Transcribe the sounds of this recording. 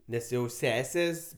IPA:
ˈnʲɛs jɛʊ ˈsʲæːsʲeːs

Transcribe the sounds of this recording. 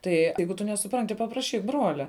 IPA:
ˈtɐɪ ˈɛɪɡʊ tʊ nʲɛsʊˈprɐnʲtʲɪ pɐprɐˈʃʲiːk ˈbruɔlʲɛ

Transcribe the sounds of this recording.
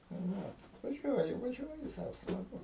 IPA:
tɐɪ ˈʋɐt ʋɐˈʒʲuɔjɪ ʋɐˈʒʲuɔjɪ ˈsɐʊ smɐˈɡʊ

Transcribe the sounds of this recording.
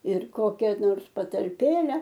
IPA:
ɪr ˈkoːkʲɛ noːrs pɐtɐlʲˈpʲeːlʲɛ

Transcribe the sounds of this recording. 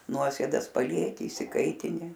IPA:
ˈnuɔsʲeːdɐs pɐˈlʲiɛkʲɪ ɪʃʲsʲɪˈkɐɪtʲɪnʲɪ

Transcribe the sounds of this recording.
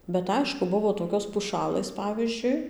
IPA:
bʲɛt ˈɐɪʃkʊ ˈbʊʋoː toːˈkʲoːs pʊˈʃɑːlˠɘs ˈpɑːʋʲiːzʲd͡ʒʲʊɪ

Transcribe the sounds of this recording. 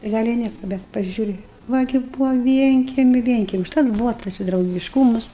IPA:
tɐɪ ˈɡɐlʲ ɪ ˈnʲiɛkɐ bʲɛt pɐsʲɪˈʒʲuːrʲɪ ˈʋɐ ɡʲɪ ˈbuːʋɐ ˈʋʲiɛŋʲkʲɛmʲʊ ˈʋʲiɛŋʲkʲɛmʲɛɪ ʊʃˈtɐt ˈbuːʋɐ ˈtɐs ɪ drɐʊɡʲɪʃˈkuːmɐs

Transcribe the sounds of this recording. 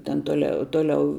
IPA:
tʲɛn toːˈlʲɛ ˈtoːˌlʲɛʊ

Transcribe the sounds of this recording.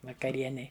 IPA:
ʋɐkɐˈrʲiɛnʲɛɪ

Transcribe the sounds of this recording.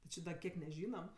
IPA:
tʲɪ ˈt͡ʃʲɪ dɐ ˈkʲiɛk nʲɛˈʒʲiːnɐm

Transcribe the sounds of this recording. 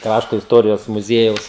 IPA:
ˈkrɑːʃtoː ɪsˈtoːrʲɪjoːs mʊˈzʲiɛjɛʊs

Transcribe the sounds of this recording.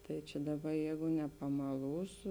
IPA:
tɐɪ t͡ʃʲɛ ˈdɑːˌbɐ ˈjɛɪɡʊ nʲɛpɐmɐˈlˠuːsʊ

